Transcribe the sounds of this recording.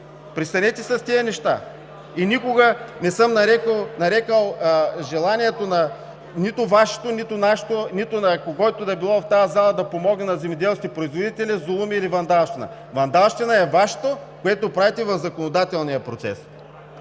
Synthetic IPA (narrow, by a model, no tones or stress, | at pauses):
pɾist̪ɐnɛt̪ʲɛsɐst̪iənɛʃt̪a̰ | inʲikoɡɐnɛsɤmnɐɾɛkəlˠnɐɾɛkəlˠʒɛlˠaniɛt̪onɐ | nit̪ʊvaʃe̥t̪onit̪ʊnaʃe̥t̪onit̪ʊnɐkoɡɔjt̪od̪ɐɛbilˠɔft̪ajɐzalˠɐd̪ɐpomɔɡnɛnɐzɛmɛd̪ɛlˠsk̪ʲipɾoizvod̪it̪ɛlʲizolˠumiːlivɐnd̪alˠʃt̪ɛnɐ̰ | vɐnd̪alˠʃt̪ɛnɐɛvaʃe̥t̪okoɛt̪opɾavit̪ɛvɐvzɐkonod̪at̪ɛlˠnijɐpɾot̪sɛ̰s